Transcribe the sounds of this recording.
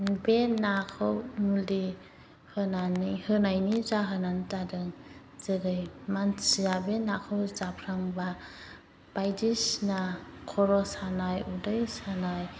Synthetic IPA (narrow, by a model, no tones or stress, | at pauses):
benakʰɯwmuli | hɯnanihɯnajnizaɦɯnantadɯŋ | zɯɾɯjmansiabenakʰɯwzapʰɾaŋba | b̥ajdisnakʰɔɾɔsanajudɯjsanaj